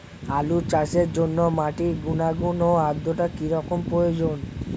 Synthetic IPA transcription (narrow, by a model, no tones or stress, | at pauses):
alut͡ɕaʃeɾd͡ʑonːomaʈiɾɡunaɡunoad̪ːoʈakiɾɔkompɾojod͡ʑon